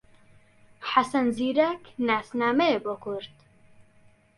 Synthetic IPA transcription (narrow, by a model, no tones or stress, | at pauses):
ħasɐnziːɾɛknaːsnaːmeebokʰuɾt̪